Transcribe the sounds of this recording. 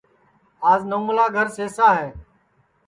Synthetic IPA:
aːznoːmlaːɡʱəɾseːsaːɦɛː

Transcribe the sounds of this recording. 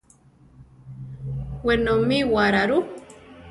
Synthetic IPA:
wenomiwaɾaɾu

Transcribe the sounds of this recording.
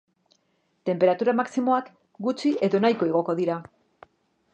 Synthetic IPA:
t̪e̞mpe̞ɾat̪uɾamaksimo̞ak | ɡut͡ʃie̞ðo̞najko̞eɣ̞o̞ko̞ðiɾa

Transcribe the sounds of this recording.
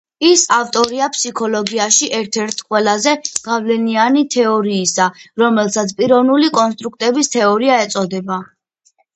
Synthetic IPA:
isaft̪ʼɔɾiapʰʼsikʰɔlɔɡiaʃiʔɛɾt̪ʰɛɾt̪ʰqʼwɛlazɛɡ̥avlɛnianit̪ʰɛɔɾiːsaɾɔmɛlˠsat̪sʰpʼiɾɔvnulikʼɔns̬t̪ʼɾuk̚ʰt̪ʼɛbist̪ʰɛɔɾiaɛt̪sʼɔd̪ɛba

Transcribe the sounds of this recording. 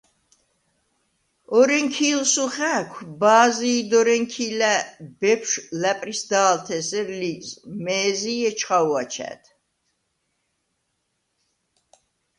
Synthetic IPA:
ɔɾɛŋkʰiːlsuχækʷʰbaːziːd̪ɔɾɛŋkʰilæb̥ɛpʰʃlæpʼɾisd̪aːlt̪ʰɛsɛɾlizmɛːziɛt͡ʃʰχawat͡ʃʰɛ̰t̪ʰ

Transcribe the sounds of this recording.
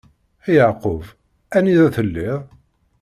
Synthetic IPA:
æjəʕqov | æniðæθəlːɪðˤ

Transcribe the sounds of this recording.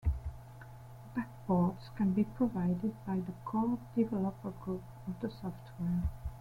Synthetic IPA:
b̥ak̚b̥ɔdskʰæ̃nbipʰɹɔvaɪdɪd̚baɪðəkʰɔdivɛləpəɡɹup̚ | ɔvd̪əsɔftʰwɛɹ

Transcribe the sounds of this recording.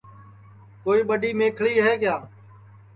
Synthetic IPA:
koːiːɓəɗiːmẽːkʰɭiːɦɛːkjaː

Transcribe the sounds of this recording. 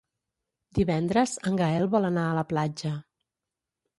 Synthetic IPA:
d̪iβɛnd̪ɾəzəŋɡəɛlˠβɔlənaələplad͡ʒə

